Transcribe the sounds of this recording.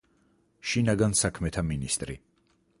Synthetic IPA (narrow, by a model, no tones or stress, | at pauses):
ʃinaɡansakʰmɛt̪ʰaminist̪ʼɾḭ